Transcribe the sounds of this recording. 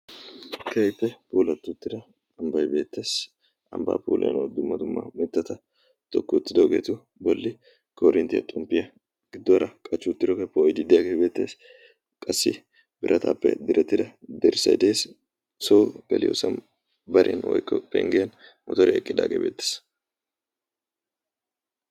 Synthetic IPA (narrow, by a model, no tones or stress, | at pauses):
kʰɐjpːɛpuːlɐt̪ːʊt̪ːɪd̪ɐ | ɐmbɐjbe̞ːt̪ːeːs | ɐ̰mba̰ːpṵːlʔɛ̰jnod̪ʊmːɐt̪ʊmːɐ̰mɪt̪ːɐt̪ɐ | t̪ʼɔkːʊt̪ːɪd̪ɔɡeːt̪ʊ | bɔlːɪ | kɔɾɪnt̪ɪjɐ̰t̪ʼʊmpːɪjɐ | ɡɪd̪ːɔɾɐkʼɐt͡ʃːʊt̪ːɪd̪ɔɡepːɛɔjd̪ɪd̪ɪjaːɡebe̞ːt̪ːeːs | kʼɐsːɪ̰ | bɪɾʔɐt̪ʰa̰ːpːɛ̰d̪ɪɾʔɛt̪ːɪd̪ɐd̪ɛɾsɐ̰jd̪eːs | sɔwɡɐlɪjo̰sɐn | bɐɾʔɛ̰nwɔ̰jkːɔpːɛ̰ŋɡɛjɐn | mɔt̪ɔɾɪɛkʼːɪd̪a̰ːɡejbḛːt̪ːe̥s